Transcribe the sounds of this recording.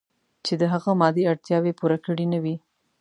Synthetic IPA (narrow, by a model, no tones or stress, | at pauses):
t͡ʃed̪əɦaɣamɑd̪iaɽt̪jɑwepuɾakəɽinawi